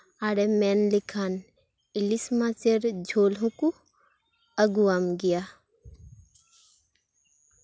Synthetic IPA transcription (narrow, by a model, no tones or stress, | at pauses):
aɾemɛnlɪkʰan | ɪlismat͡seɾd͡ʒʱoːlõku | ɐɡuamɡija